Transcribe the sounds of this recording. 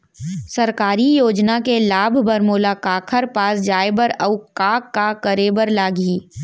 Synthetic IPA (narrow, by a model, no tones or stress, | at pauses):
sɐɾkaːɾijoːd͡ʒnakelaːbʱbəɾmoːlakaːkʰəɾpaːsd͡ʒaːebəɾɐʊkaːkːakəɾeːbəɾlaːɡiː